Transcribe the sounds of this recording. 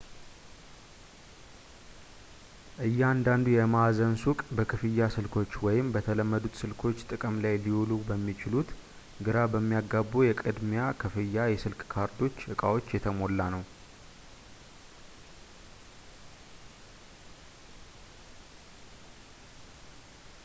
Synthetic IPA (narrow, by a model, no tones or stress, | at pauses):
ʔɨjːɛand̪and̪ujɛmazənsukʼbəkʰɨfɨjːasɨlkʰo̞t͡ʃːwɔjɪmbət̪ʰələmːəd̪ut̪sɨlkʰo̞t͡ʃːt̪ʼɨkʼəmlajlihulubəmːit͡ʃɪlut̪ | ɡɨɾabəmːijaɡabːujɛkʼɨd̪mjakʰɨfɨjːajɛsɨlkʼkʰaɾt̪ʰo̞t͡ʃːʔɨkʼawo̞t͡ʃːjɛt̪ʰəmo̞lːanəw